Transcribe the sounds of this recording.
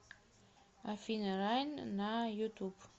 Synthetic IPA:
afiniɾajninajut̪ubu̥

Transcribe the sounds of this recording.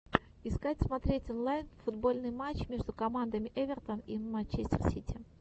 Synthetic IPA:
ɪskatʲsmɐt̪ɾʲetʲɔnlˠajnfʊd̪bo̞lʲnɨjmat͡ɕmʲe̞ʐd̪ʊkɐmand̪əmʲɪʔevʲɪrt̪ənimɐt͡ɕːesʲtʲɪ̰rsʲitʲɪ

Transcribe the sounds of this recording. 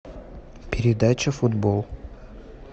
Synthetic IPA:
pʲɪɾʲɪd̪at͡ɕəfʊd̪bolˠ

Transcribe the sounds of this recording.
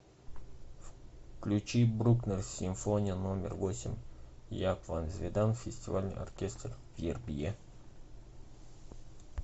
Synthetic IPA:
fklʲʉt͡ɕibɾuknərsʲɪmfonʲɪjənomʲɪ̰rvosʲɪmʲjakvanzʲvʲed̪anfʲɪsʲtʲɪvalʲnɨ̰jɐ̰rkʲest̪r | vjerbʲje

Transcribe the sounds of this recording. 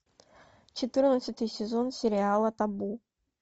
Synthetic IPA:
t͡ɕɪt̪ɨrnəsʲɨt̪ɨjsʲezonsʲeɾʲɪalˠət̪abu

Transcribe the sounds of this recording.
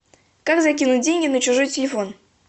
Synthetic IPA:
kakzɐkʲinʊt̚ʲdʲenʲɡʲɪnət͡ɕʊʐojtʲɪlʲɪfo̞n

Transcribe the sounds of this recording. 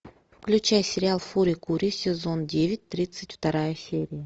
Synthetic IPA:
fklʲʉt͡ɕajsʲɪɾʲɪalˠfuɾʲɪkuɾʲɪsʲɪzo̞ndʲevʲɪt̚ʲt̪ɾʲit̪sɨtʲft̪ɐɾajəsʲeɾʲɪjə

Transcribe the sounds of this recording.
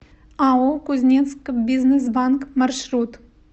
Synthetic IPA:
aukʊzʲnʲet̪skbʲiznesbaŋkmarʃɾut̪

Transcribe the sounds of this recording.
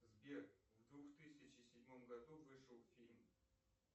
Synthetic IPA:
zbʲekvd̪vuxt̪ɨsʲɪt͡ɕɪsʲɪdʲmomɡɐd̪uvɨʂəlˠfʲilʲm

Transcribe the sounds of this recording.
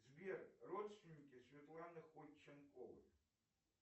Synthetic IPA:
zʲvʲɛrrɔt̪st̪vʲinʲːikʲʼisʲvʲat̪lˠanɨxɔlʲt͡ʃːɐnkʼɔvɨ̰

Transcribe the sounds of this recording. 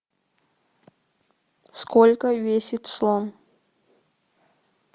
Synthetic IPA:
skolʲkəvʲesʲɪt̪slˠom

